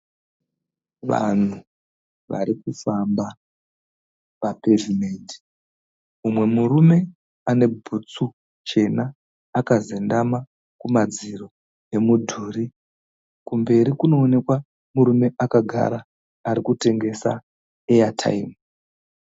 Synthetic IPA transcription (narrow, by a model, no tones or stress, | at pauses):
ʋa̰n̤u | ʋa̰ɾikufamba | pape̞vime̞nti̥ | umwe̞muɾume̞ | ane̞bʱut͡su | t͡ʃe̞naː | kazendama | kumad͡ziro̞ | e̞mudʱuːɾi | kumbe̞ɾikuno̞ːne̞kwa | muɾume̞ʔakaɡʱa̰ɾaː | ɾikute̞ŋɡe̞sa̰ | ejatʰa̰imu